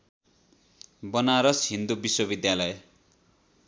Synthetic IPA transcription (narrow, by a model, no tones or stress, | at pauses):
bʌnaɾʌsɦind̪ubiswʌbid̪jalʌj